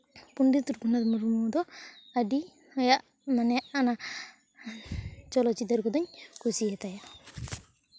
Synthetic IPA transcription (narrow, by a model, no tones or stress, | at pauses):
puɳɖit̪uɾkunad̪muɾumud̪ɔadi | hɔjaʔ | manɛjaʔana | t͡ʃɔlɔt͡ʃid̪aɾkɔd̪ɔɲkusiɛt̪aja